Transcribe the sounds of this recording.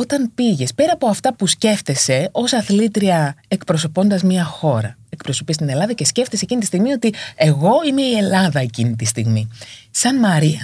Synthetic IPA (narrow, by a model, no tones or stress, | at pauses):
o̞t̪ɐnpiʝe̞spe̞ɾɐːpo̞ɐft̪ɐpusce̞ft̪e̞se̞o̞sɐθlit̪ɾiɐekpɾo̞so̞po̞nd̪ɐzmɲɐxo̞ɾɐe̞kpɾo̞so̞pist̪ine̞lɐðɐce̞sce̞ft̪ese̞cinit̪ist̪iɣmio̞t̪ie̞ɣo̞ime̞ie̞lɐðɐe̞cinit̪ist̪iɣmisɐnmɐɾiɐ